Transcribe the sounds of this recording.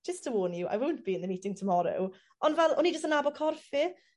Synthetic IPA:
d͡ʒ̥əstʰəwoːnjuʔa̰jwowntb̥iɪ̃nðəniːtʰɪ̃ŋtʰəmɔɾo̰w | ʔɔndvɛlˠɔnid͡ʒəstənabɔkʰɔrfɪ

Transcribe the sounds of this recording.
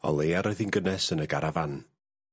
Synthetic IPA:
ɔ̰lˠeːaɾɔɨðinɡənɛsənəɡaɾavan

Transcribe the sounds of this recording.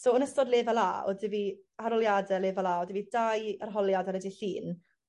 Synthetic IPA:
soɔnəstɔdleːvalˠa̰ːo̰dɪvihaɾɔlˠjadɛleːvalˠaːodɪvidajarɦɔlˠjadaɾɛdiɬiːn

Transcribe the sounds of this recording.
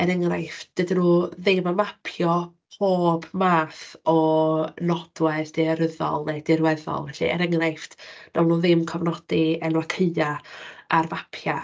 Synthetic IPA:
ɛɾəŋrajftd̥ɨdinuːðɪmamapʰjɔ | hʰoːbmaːθɔnɔd̥wɛsd̥eaɾəðɔ̰lˠnejdɪrwɛðɔ̰lˠvɛɬḭɛ̰ɾəŋrajftn̥ɔlˠnuːðɪmkʰɔvnɔd̥iɛnwakʰəɨaarmapʰja

